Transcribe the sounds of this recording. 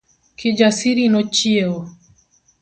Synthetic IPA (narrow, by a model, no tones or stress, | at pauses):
kʰid͡ʒasiɾinɔt͡ʃieo